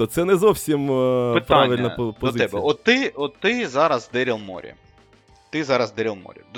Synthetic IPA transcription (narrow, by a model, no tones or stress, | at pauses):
ot̪sɛnɛzɔwsʲimɪtpɾaʋɪlʲnɐɔpɔɔzɪɛbbɛɔt̪ːɪɔt̪ːɪzɑɾɐzd̪ɛɾʲilˠmɔ̰ɾʲḭ | t̪ɪzɑɾɐzd̪ɛɾʲilˠmɔ̰ɾʲid̪